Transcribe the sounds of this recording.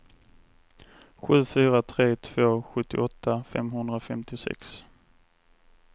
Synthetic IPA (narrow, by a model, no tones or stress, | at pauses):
ɧʉ̟ːfyːɾat̪ʰɾeːt̪ʰv̥oːɧɵt̪ːɪ̰ʔɔt̪ʰːafɛ̰mɦɵnd̪ɾafɛmt̪ɪsɛ̰ks